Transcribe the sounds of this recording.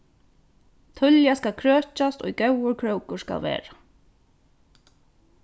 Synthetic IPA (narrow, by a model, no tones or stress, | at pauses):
t̪ʰʏljaskalkʰɾøːt͡ʃast̪ɔ̰jɡœwəɹkʰɹowkʊɹska̰lʋḛːɾa